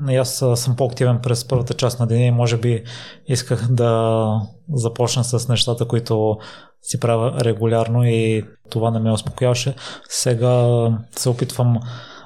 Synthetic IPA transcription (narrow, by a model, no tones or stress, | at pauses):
njassɤmpɔɐkt̪ivɛnpɾɛspɤɾvət̪ət͡ʃasnɐd̪ɛnɛimɔʒɛbiiskəxd̪ɐ | zɐpɔt͡ʃnəsəsnɛʃt̪at̪əkoit̪ʊ | sipɾavʲəɾɛɡʊlʲaɾnoit̪ovanɛmɛospo̥kʊjavɐʃɛsɛɡasɛopit̪vəm